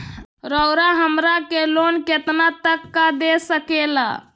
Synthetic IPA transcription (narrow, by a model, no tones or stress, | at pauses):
ɾəʊɾaɦəmɾakelonket̪nat̪əkːad̪esəkela̰